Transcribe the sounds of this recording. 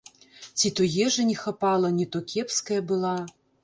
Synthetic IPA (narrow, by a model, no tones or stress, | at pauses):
t͡sʲit̪ɔjɛʐɐnʲɛxapalˠɐnʲɛt̪ɔkʲʰɛpskɐjɐbɨlˠa